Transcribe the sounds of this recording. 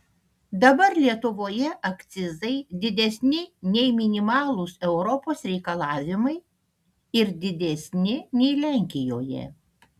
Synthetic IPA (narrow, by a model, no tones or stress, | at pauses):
d̪ɐbɐɾlʲiɛt̪ʊʋoːjɛʔɐkt̪sʲɪzɐɪd̪ʲɪd̪ʲɛsʲnʲɪnʲɛɪmʲɪnʲɪmɑːlˠʊsɛʊɾɔpoːsɾʲɛɪkɐlˠɑːʋʲɪmɐɪ | ɪɾd̪ʲɪd̪ʲɛsʲnʲɪnʲɛɪlʲæˑŋʲkʲɪjoːjɛ̰